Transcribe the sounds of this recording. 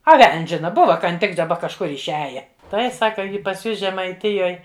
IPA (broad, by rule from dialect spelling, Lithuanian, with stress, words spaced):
ɐ ˈʋʲɛlʲnʲsʲ ˈʒʲɪnɐ ˈbʊʋɐ kɐn ˈtʲɪk dɐˈbɐ kɐʃˈkʊr ɪʃʲˈæːjɛ ˈtɐɪ ˈsɑːkɐ ˈjɪ pɐs ˈjʊs ʒʲɛmɐɪˈtʲɪjoːj